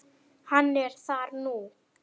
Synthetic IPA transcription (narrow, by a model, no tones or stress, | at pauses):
hanːeɾsaːɾnuː